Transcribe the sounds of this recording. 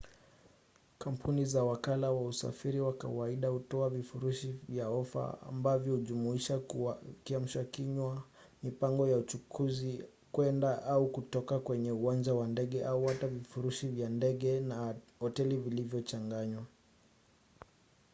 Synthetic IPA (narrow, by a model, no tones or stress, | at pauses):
kam̩pʰunizawakalawausa̰fiɾiwaka̰waiɗahutɔavifuɾuʃivjaɔfa̰a̰mbavjɔhuʄumuiʃakiam̩ʃakiɲwa | mipaŋɡɔjaut͡ʃukʰuzi | kwɛndaʔaukutɔkakwɛɲɛuand͡ʒawandɛɠɛʔauhatavifuɾuʃivjandɛɠɛna | hɔtɛlivilivjɔt͡ʃaŋɡaɲwa